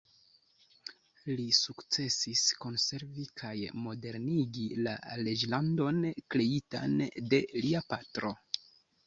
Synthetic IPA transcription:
lisukt͡se̞sisko̞nse̞ɾvikʰajmo̞de̞ɾniɡila̰le̞d͡ʒlando̞nkɾe̞ita̰nde̞liapatɾo̞

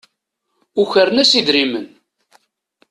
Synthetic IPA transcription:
uçəɾnæsid̪ɾimən

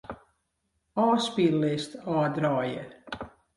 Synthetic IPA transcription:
ɑːspilːɪstɔːdrɑːjə

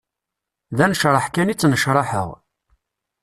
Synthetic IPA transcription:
ðænəʃɾˤɑħkænit͡sːnəʃɾˤɑħə̰ʁ

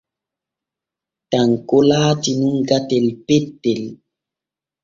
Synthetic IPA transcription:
taŋkolaːtinuŋɡatɛlpɛtːel

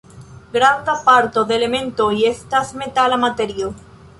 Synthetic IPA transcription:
ɡɾand̪apaɾt̪oðelemẽnt̪oiest̪asmet̪alamat̪eɾjo

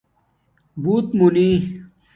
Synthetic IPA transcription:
buːt̪muni

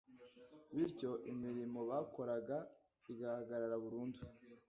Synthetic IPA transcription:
βiɾco̞ʔimiɾimo̞βaːkʰo̞ɾaɡa | iɡahaɡaɾaɾaβuɾuːndu

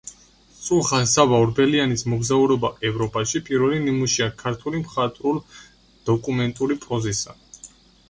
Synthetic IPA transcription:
t̪sʼulˠχasavaɾbɛlianismɔɡzauɾɔbaʔɛvɾɔpʼaʃipʼiɾvɛlinimuʃiakʰaɾt̪ʰulimχat̪ʼɾulˠ | d̪̥ɔkʼumɛnt̪ʼuɾipʼɔzisa̰

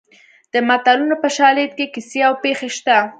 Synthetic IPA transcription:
d̪̥əmat̪alunopəʃɑlet̪̚kekiseawpexeʃt̪a

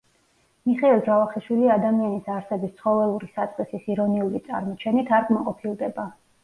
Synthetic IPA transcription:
miχɛilˠd͡ʒavaχiʃwiliad̪amianisaɾsɛbist̪sʰχɔvɛlˠuɾisat̪sʼqʼisisiɾɔniulit̪sʼa̰ɾmɔt͡ʃʰɛnit̪ʰaɾɡmaqʼɔpʰilˠd̪ɛba

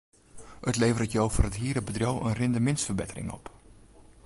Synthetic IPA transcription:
ətleːvərətjowfɔrətɦiəɾəbədrjowʔə̰nrɪndəmɪnstfərbɪtərɪ̰ŋɔ̰p

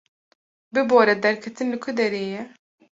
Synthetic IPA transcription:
bɨboːɾɛd̪ɛɾkʰɛt̪ɨnlɨkʰʊd̪ɛɾeːjɛ

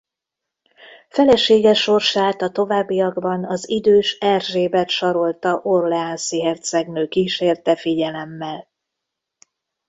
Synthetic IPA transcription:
fɛlɛʃeːɡɛʃːo̞rʃaːt̪ɒt̪o̞vaːbːijɒɡbɒnɒzid̪øːʃɛrʒeːbɛt̪ʃɒɾo̞lt̪ɒʔo̞rlɛansiɦɛrt̪sɛɡnøːkiːʃeːrt̪ɛfiɟɛlɛmːɛl

